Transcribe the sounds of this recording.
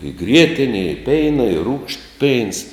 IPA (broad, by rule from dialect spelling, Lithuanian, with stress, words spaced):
ɪ ˈɡrʲiɛtʲɪnʲɛ ɪ ˈpʲɛɪnɐ ɪ ruːkʃt pʲɛɪns